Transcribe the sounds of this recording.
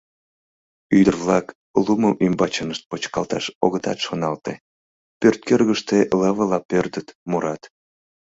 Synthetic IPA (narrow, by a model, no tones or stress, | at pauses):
yd̪ərvlɑk | luməmʔymbɑt͡ɕənəʃt̪̚pot͡ɕkɑlt̪ɑʃoɣət̪ɑ̰t̪ʃonɑlt̪e | pørt̪̚kørɣəʃt̪eləβəlɑpørd̪ət̪muɾɑt̪